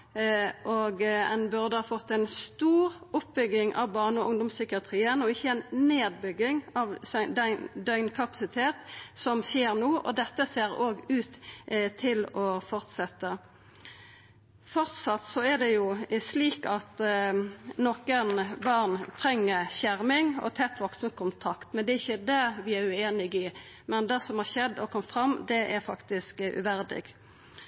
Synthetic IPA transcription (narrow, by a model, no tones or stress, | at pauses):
ʔoɡɛ̰nbʉʁd̪əhɑːfɔt̪ːæɪnst̪uːʁʊpbʏɡɪŋʔɑ̰ʋbɑʁnəɔʔʊŋd̪ʊmsʏkɪɑt̪ʰʁiːənɔɪçːəɛnneːd̪̚bʏɡːɪŋɑʋsd̪ɛɪnd̪œʏnkʰɑpɑ̥sɪt̪ʰeːt̪sɔmseːʁnoːʔɔ̰d̪ɛt̪ːəseːʁoːɡʉːt̪t̪ʰːɪlɔfɔʁt̪sɛt̪ːə | fɔʁt̪sɑt̪sɔæd̪ɛjʊsliːkɑt̪ | nokənbɑʁnt̪ʰɾɛŋːəɕæɾmɪŋɔ̰t̪ʰɛt̪ːʋɔksʊmkʰʊnt̪ʰɑkt̪mɛnd̪ɛɪçːəd̪æʋɪæɾʉeːnɪɡɪ | mɛnd̪ɛsɔmhɑːɕɛd̪ːɔkʰɔmt̪fɾɑmːd̪ɛʔæfɑkt̪ɪskʉ̰ʋæɾd̪ɪ̰ɡ